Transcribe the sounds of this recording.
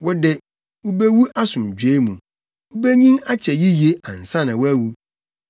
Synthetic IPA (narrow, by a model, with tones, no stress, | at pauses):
wɔ˦dɪ˦ | wu˦be˦wu˦ʔa˦sʊ̃˨m˨d͡ʑᶣe˦mũ˨ | wu˦be˦ɲĩ˦na˦t͡ɕʰɛ˨ji˦je˦ã˨n̩˨sã˦nã˨wɔ˦æ˦wu˦